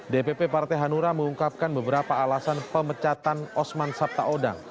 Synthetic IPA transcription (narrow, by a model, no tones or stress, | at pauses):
depepepart̪ɛɦanuɾaməŋuŋkap̚kanbəbəɾapaːlasanpəmət͡ʃat̪anɔsmansap̚t̪aʔoda̰ŋ